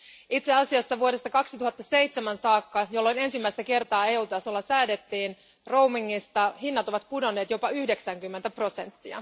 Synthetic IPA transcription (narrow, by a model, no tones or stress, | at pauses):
it̪seɑsiɑsːɑʋuo̞ɾe̞st̪ɑkɑksit̪uhɑt̪ːɑse̞jt̪semænsɑːkːɑjo̞lːo̞jne̞nsimːæist̪æke̞rt̪ɑːeːuːt̪ɑsolːɑsæːde̞t̪ːiːn | ro̞wmiŋːist̪ɑhinːɑt̪o̞ʋɑt̪pudo̞nːe̞ːt̪jo̞pɑyhde̞ksæŋkymːent̪æpro̞se̞nt̪ːiɑ̰